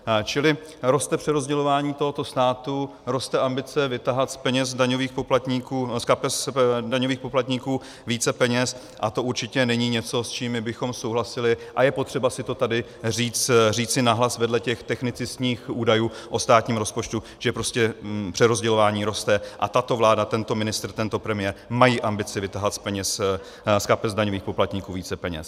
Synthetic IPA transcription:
t͡ʃɪlɪ | ɾo̞st̪ɛpr̥ɛɾo̞zɟɛlo̞vaːɲiːt̪o̞ɦo̞t̪o̞st̪aːt̪u | ɾo̞st̪ɛʔambɪt͡sɛvɪt̪aɦat̪spɛɲɛsdaɲoviːxpoplat̪ɲikuːskapɛsdaɲo̞viːxpo̞plat̪ɲikuː | viːt͡sɛpɛɲɛs | ʔat̪o̞uɾt͡ʃɪcɛnɛɲiːɲɛt͡so̞st͡ʃiːmːɪbɪxo̞mso̞wɦlasɪlɪʔajɛpo̞t̪r̥ɛbasɪt̪o̞t̪adɪ | riːt͡sriːt͡sɪnaɦlasvɛdlɛcɛxt̪ɛxnɪt͡sɪsɲiːxʔuːdajuː | ʔo̞st̪aːt̪ɲiːmɾo̞spo̞t͡ʃt̪u | ʒ̥ɛpɾo̞scɛpr̥ɛɾo̞zɟɛlovaːɲiːɾo̞st̪ɛʔa̰t̪at̪o̞vlaːdat̪ɛnt̪o̞mɪnɪst̪rt̪ɛnt̪o̞pɾɛmɪjɛɾmajiːʔambɪt͡sɪvɪt̪aɦlat̪spɛɲɛs | skapɛzdaɲo̞viːxpo̞plat̪ɲiːkuːviːt͡sɛpɛɲɛ̰s

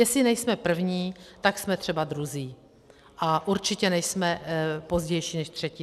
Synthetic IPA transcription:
jɛsɪnɛjsmɛpr̩vɲiːt̪aksmɛt̪r̝̥ɛbad̪ɾuziː | ʔaʔuɾt͡ʃɪcɛnɛjsmɛpo̞zɟɛjʃiːnɛʃt̪r̥ɛcɪ

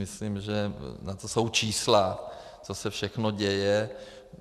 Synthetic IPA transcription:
ɪslimʒɛnat̪oso̞wt͡ʃiːsla | t͡so̞sɛfʃɛxno̞ɟɛjɛ

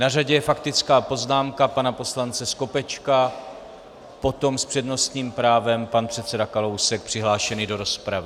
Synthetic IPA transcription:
naraɟɛjɛfakt̪ɪt͡skaːpo̞znaːmkapanapo̞slant͡sɛsko̞pɛt͡ʃka | po̞t̪o̞mspr̝̥ɛdno̞st̪ɲiːmpɾaːvɛmpanpr̥ɛt̪t͡sɛdakalo̞wsɛk̚pr̥ɪɦlaːʃɛniːdo̞ɾo̞spɾavɪ

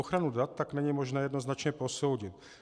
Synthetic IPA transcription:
oxɾanudat̪ːaknɛɲimo̞ʒnɛːjɛdno̞znat͡ʃɲɛpo̞so̞wɟɪt̪̚

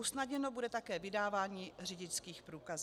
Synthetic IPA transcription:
usnadɲɛno̞budɛt̪akɛːvɪdaːvaːɲiːr̝ɪɟɪt͡skiːxpɾuːkaz

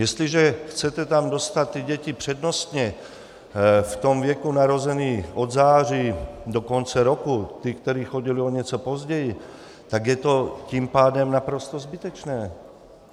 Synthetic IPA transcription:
jɛst̪liʒɛxt͡sɛt̪ɛt̪amdost̪at̪ːiɟɛcipr̝̥ɛd̪nost̪ɲɛ | ft̪omvjɛkunaɾozɛniːʔod̪zaːr̝iːd̪okont͡sɛɾokut̪ikt̪ɛɾiːxoɟilioɲɛt͡sopozɟɛji | t̪aɡjɛt̪ocimpaːdɛmnapɾost̪ozbit̪ɛt͡ʃnɛː

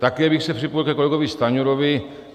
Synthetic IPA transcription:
t̪akiabɪxsɛpr̥ɪpojlkɛkolɛɡovɪst̪aɲuɾovɪ

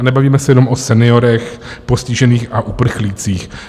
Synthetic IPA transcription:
nɛbaviːmɛsɛjɛnomʔosɛnɪo̞ɾɛxpo̞scɪʒɛniːxaʔupr̩xliːt͡siːx

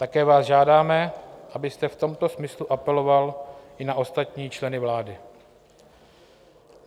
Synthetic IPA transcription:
t̪akɛːvaːzʒaːdaːmɛʔabɪst̪ɛft̪o̞mt̪o̞smɪsluʔapɛlo̞valʔɪnaʔo̞st̪at̪ɲiːt͡ʃlɛnɪvlaːdɪ

